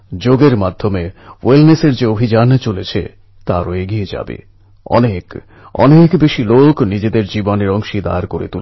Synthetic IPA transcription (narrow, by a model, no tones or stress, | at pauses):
d͡ʑoɡeɾmad̪ʱːomewelneseɾd͡ʑeobʱid͡ʑant͡ɕolet͡ɕʰḛ | t̪aɾoeɡied͡ʑa̰bḛ | ɔ̰nek | ɔ̰nekbeʃiloknid͡ʑed̪eɾd͡ʑiboneɾɔŋʃid̪a̰ɾkoɾḛt̪ul